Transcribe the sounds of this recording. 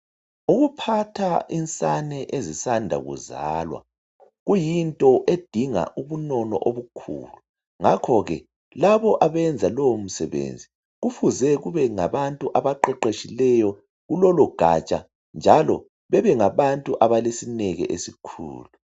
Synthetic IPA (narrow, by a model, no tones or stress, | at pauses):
uɣupʰatʰaʔint͡sʼanɛʔezisandʱa̰ɣṵza̰ːlwa̰ | ɣujintʼɔʔed̥ʱiŋa̰ʔuβunɔnɔ̰ʔoβukʰṵːlu | ŋakʰɔɣɛ | laβɔʔaβɛnd͡zʱalɔwom̩sɛβḛnd͡zʱi | ɣufuzɛɣuβɛŋaβantʼuʔaβaǃɛǃeʃilɛjɔ | ɣulɔlɔɡ̥ʱa̰t͡ʃʼa | nd͡ʒʱalɔ | βɛβɛŋaβantʼuʔaβalesinɛɣɛ̰ʔesikʰṵːlu